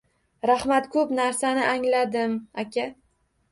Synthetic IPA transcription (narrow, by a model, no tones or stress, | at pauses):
ɾahmat̪kʰɵpnaɾsanɪʔaŋlad̪ɪmakʲa